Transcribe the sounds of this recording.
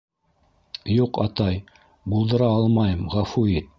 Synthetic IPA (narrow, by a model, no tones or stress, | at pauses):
juqɑt̪ɑj | bulˠd̪ɤ̆ɾɑɑlˠmɑjɤmʁɑfuit̪̚